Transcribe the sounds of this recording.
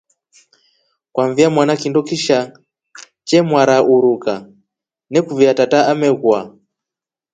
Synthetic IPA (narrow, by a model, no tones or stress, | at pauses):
kwaɱvijamwanakindɔkiʃa | t͡ʃɛmwaɾaʔuɾuka | nɛkuviatataamɛɣwa